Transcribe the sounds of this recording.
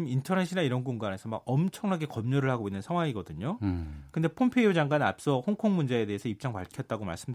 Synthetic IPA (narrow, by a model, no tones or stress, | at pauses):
mintʰʌneɕʰinaiɾʌnɡunɡane̞sʰʌma̰ɡ̚ʌmt͡ɕʰʌŋɦaɡe̞kʌmɲʌɾɯɭhaɡoinːɯnsʰaŋwaŋiɡʌdɯɲokɯnde̞pʰompʰeiod͡ʑaŋɡwana̰p̚s͈ʌhoŋkʰoŋmund͡ʑe̞ːde̞ɦesʰʌip̚t͡ɕ͈aŋpaɭkʰjʌt̚t͈aɡoma̰ɭs͈ɯmd